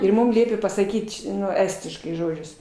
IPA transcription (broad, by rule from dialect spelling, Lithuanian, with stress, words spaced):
ɪr ˈmʊm ˈlʲiɛpʲeː pɐsɐˈkʲiːt ˈnʊ ˈæːsʲtʲɪʃkɐɪ ˈʒoːd͡ʒʲʊs